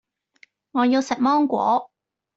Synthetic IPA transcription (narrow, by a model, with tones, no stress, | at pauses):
ŋɔː˨˧ji˧wsɛ˨k̚mɔː˥ŋkʷɔ̰ː˨˥